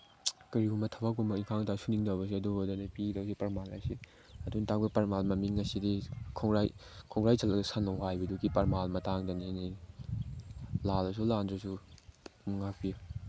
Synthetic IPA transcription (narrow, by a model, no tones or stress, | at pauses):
kɐɾihumɐtʰɐbakumɐiŋkʰaŋtasuniŋdawbɐs̬iɐdobɐdɐnɐpidawsipɐɾmalɐ̰si | ɐduntaŋ̚bɐpɐɾmalmɐmiŋːɐsidikʰɔŋɾajkʰɔŋɾajt͡ʃalɐksanlɔwɦajbɐdukipɐɾmalmɐtaŋdɐnini | lalɐs̬ulandɾas̬u | muŋak̚pi